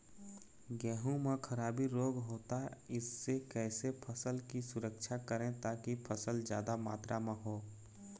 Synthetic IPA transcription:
ɡɛːɦũmẽkʰɐɾaːbiɾoːɡɦoːt̪aɪsːekɛːsepʰəsəlkisʊɾəkʃʰakəɾẽt̪aːkipʰəsəld͡ʒja̰ːd̪ama̰ːt̪ɾʔamãɦoː

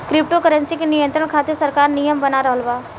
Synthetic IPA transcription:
kɾɪp̚ʈokəɾə̃nsikenijə̃nt̪ɾəɽ̃kʰaːt̪esɐɾkaːɾnijəmbɐnaɾɐɦəlbaː

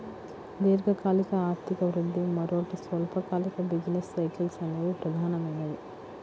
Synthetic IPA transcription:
d̪eːɾɡɐkaːlikɐaːɾt̪ʰikɐʋɾud̪ʱːimɐɾoːʈisʋɐlpʰɐkaːlikɐbid͡ʒinesːɐjkɐlsɐneʋupɾɐd̪ʱaːnɐmɐnːɐd̪i

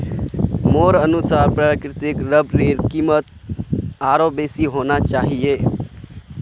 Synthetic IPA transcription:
moɾənusaːɾpɾakɾɪt̪ɪkɾəbɾeɾkimət̪ | aːɾobesiɦonat͡ʃaːɦije

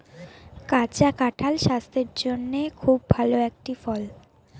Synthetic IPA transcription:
kat͡ɕakaʈʰalʃast̪ʰeɾd͡ʑonːekʰubːʱaloek̚ʈifɔl

